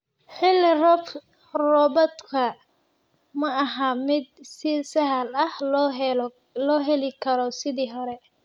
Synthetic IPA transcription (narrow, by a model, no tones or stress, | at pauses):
ħɪlːɪrɔb | rɔːbɔt̪kʰɐ | mɐɐɦamɪd̪sɪsɐɦɐlɐh | lɔːɦɛlɪkʰɐɾɔsɪðiːɦɔɾɛ